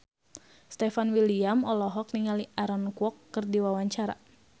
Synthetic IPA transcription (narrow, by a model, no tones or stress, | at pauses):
st̪ɛfanwiliamɔlɔɦɔk̚niŋaliʔaɾɔnkuɔkːɨrdiwawaɲt͡ʃaɾa̰